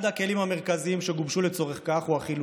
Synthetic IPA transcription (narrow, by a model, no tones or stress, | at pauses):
dhake̞limhame̞ʁ̞kaziimʃeɡubʃulet͡soʁeχkaχuaχilu